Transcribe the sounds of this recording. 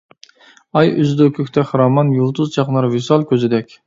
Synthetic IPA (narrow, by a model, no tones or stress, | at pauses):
ɑjyzd̪okʲʰøkʲt̪ʰɛχɾɑmɑnjulˠt̪uzt͡ʃʰɑqnɑɾvɪsɑlˠkʲʰøzɪd̪ɛkʲ